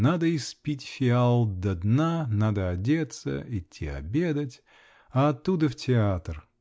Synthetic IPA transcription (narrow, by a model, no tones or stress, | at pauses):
nad̪əɪspʲitʲfʲɪalˠd̪ɐd̪nanad̪əɐdʲe̞t̪sə̰ɪtʲːiɐ̰bʲed̪ətʲ | ɐɐt̪ːud̪əftʲɪat̪r